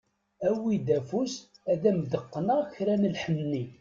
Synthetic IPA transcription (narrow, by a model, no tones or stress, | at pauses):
æwid̪æfusæðæmd̪əqːnəçɾænəlħənːi